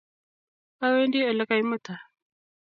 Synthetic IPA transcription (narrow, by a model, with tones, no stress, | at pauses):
a˦we˦ndi˦ə˨la˦ka˨ji˦mə˦ta˨